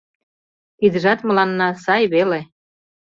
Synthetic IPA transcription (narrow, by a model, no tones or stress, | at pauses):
id̪ə̆ʒɑt̪mə̆lɑnːɑsɑjβele